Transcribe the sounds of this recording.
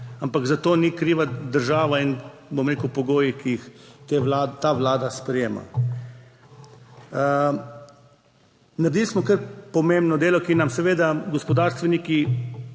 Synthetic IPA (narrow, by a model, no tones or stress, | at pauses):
ampaɡzat̪oːnikɾiːʋad̪əɾʒaːʋainbomɾeːkəwpɔɡoːjikiixt̪elat̪aʋlaːd̪aspɾɛjeːma̰ | naɾd̪iːlismɔkəɾpɔmẽmbnɔd̪eːlɔkinamsɛʋeːd̪aɡɔspɔd̪aːɾst̪ʋɛniki